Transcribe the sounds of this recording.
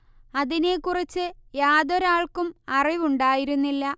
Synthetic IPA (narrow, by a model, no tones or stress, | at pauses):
ɐðine̞kurit͡ɕːɨjaːðoɾaːɭkumɐriʋuɳɖaːjiɾunːilːɐ